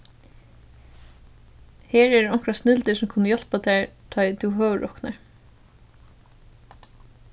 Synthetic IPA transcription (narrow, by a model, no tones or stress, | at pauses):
heːɹɛɾɔŋ̥kɾasnɪlt̪ɪsʊmkʰʊnːəjɔl̥pat̪ɛːɹt̪ʰɔːjt̪ʰuwɦœːʋəɹʔɔkna̰ɹ